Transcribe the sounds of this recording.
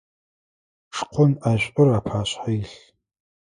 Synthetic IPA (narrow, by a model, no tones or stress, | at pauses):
ʂqʷʰʊnaʒʷʼʊraːpʰaːɕħajɬ